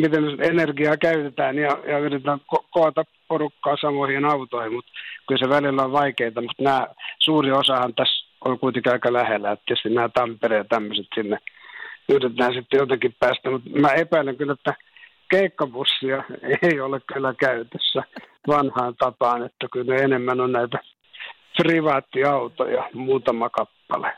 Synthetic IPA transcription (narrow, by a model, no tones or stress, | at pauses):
mit̪enenerɡiɑːkæyt̪et̪æːnjɑjɑyrit̪æːkokoɑt̪ɑpporukːɑːsɑmohienɑut̪ohimut̪kylseʋælilːæoʋʋɑikeit̪ɑmut̪næːsuːriosɑhɑnt̪æs | o̰lkuit̪eŋkiɑikɑlæhelːæet̪ːæest̪inæːt̪ɑmpereːt̪æmːøset̪sinːejyt̪et̪æːnsit̪ːejot̪ɑkippæːst̪æmut̪mæepæileŋkylːæt̪ːæ | keikːɑpusːiɑeiolekkylːˑækæyt̪øsːæʋɑnhɑːnt̪ɑpɑːnet̪ːækylneenemːænonnæit̪æ | priʋɑːt̪ːiɑut̪o̰jɑmuːt̪ɑmɑkɑpːɑ̰le